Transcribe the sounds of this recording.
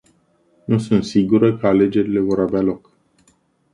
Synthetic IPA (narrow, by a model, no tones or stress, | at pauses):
nusunt̪siɡuɾəkəale̞d͡ʒe̞ɾile̞vo̞ɾavealo̞k